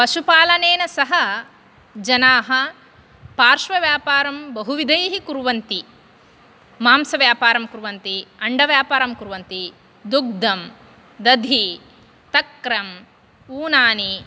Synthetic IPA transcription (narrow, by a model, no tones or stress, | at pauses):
pɐʃupaːlɐneːnɐsɐɦɐ | d͡ʒɐnaːɦɐ | paːɾʂʋɐʋjaːpaːɾɐmbɐɦuʋid̪ʱɐjɐɦikuɾʋɐnt̪i | maːmsɐʋjaːpaːɾɐmkuɾʋɐnt̪iɐɳɖɐʋjaːpaːɾɐmkuɾʋɐnt̪i | d̪uɡ̚d̪ɐm | d̪ɐd̪ʱi | t̪ɐkɾɐm | uːnaːni